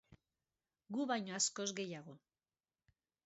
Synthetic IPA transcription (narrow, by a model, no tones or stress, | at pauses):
ɡuβajɲoasko̞zɡe̞jaɣ̞o̞